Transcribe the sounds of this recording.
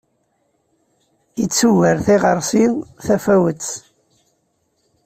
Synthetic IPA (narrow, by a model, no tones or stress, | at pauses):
jət͡sːuwəɾθiʁəɾˤsinθæfæwət͡sː